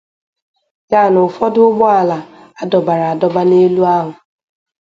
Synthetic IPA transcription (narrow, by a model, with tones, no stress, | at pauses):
ja˦˨nʊ˨fɔ˦dʊ˦ʊ˦ɡ͡bɔ˦a˦˨la˨ | a˦dɔ˨ba˨ɾa˨a˨dɔ˦ba˦ne˦lu˦a˦ɦʊ˨